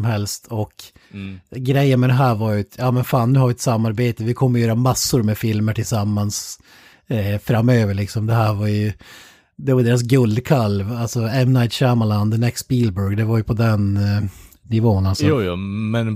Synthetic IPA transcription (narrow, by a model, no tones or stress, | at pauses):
mhɛlst̪ʰɔk | ɡɾɛjːənmɛd̪ɛɦæːɾvaɾj̪jɑːmɛnfaːnːʉːhaɾvɪɛt̪samːaɾbeːt̪əvɪkʰɔmːəjøːɾamasːʊɾmɛfɪlməʈʰɪlsamːans | fɾamːøːvəɭɪksɔmd̪ɛɦæːvɑɾjɵ | d̪ɛvajd̪eːɾas̬ɡɵld̪kʰalvalsɔɛmnaɪt̪ʂamːaland̪nɛkspiːlbœɾɡd̪ɛvaɾjɵpʰɔd̪ɛnː | ɪvoːnalsɔjmɛn